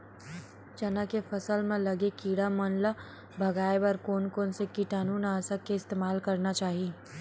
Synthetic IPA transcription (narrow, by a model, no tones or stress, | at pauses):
t͡ʃɐnakefɐsəlmẽlɐɡekiːɽamɐnla | bʱɐɡaːebəɾkoːnkoːnsekiʈaːnuːnaːsəkeɪst̪eːmaːlkɐɾnat͡ʃaːɦieː